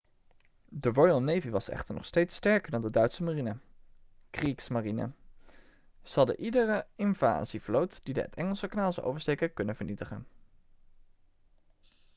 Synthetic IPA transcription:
dəɹɔjlˠnejviʋɑsɛ̰χtəɹnɔ̰χstejtstɛɹkəɹdɑndədœɥtsəmarinə | kriksmarinə̰ | z̥əɑlˠdə̰ʔidərəɪnva̰ːzivlowtd̥idə̰ə̰tɛŋəlˠsəkənaːlˠzəʔo̰wvəɹstejkəkɵnənvəɹnitəχə̰n

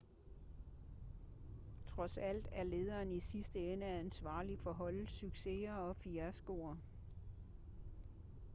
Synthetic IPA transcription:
t͡sʰʁɒ̽sæl̰d̥æɐle̝ːð̞ˠɐːnisisd̥əenəæænsʋɑ̰̈ːlifɒɦɒ̽l̰syɡ̥se̝ɐɒ̽fiæɐsɡ̥o̝̰ːɐ

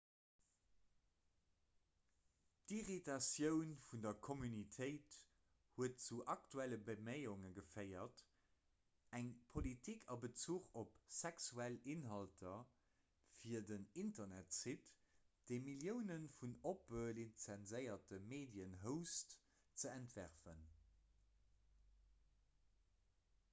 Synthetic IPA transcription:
tiʁitɑsjəʊnfundɐkʰomynitʰəɪt | huət̚t͡suʔɑk̚tʰuæləbəmeɪʊŋəɡəfɜɪɐt | æŋpʰolitʰikʰɑbət͡suːχopsɛksuælinɦɑltʰɐ | fiːɐdənintɐnætsit | d̥eɪmiljəʊnənfunopəlint͡sænzəɪɐtəmeːdjənɦəʊst | t͡səæntvæʁfən

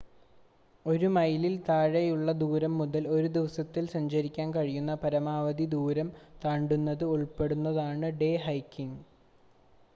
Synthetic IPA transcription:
o̞ɾumɐjlilt̪aːɻɐjuɭːɐd̪uːɾɐmːuðɐlo̞ɾud̪iʋɐsɐt̪ːilsɐɲd͡ʑɐɾikʲːaːnkɐɻijunːɐpɐɾɐmaːʋɐd̪id̪uːɾɐmt̪aːɳɖunːɐðɨuɭpe̞ɽunːɐðaːɳɨɖe̞ːɦɐjkːiŋ

